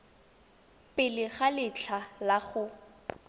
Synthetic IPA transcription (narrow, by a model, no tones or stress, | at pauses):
pʼɪlɪχalɪt͡ɬʰalaχʊ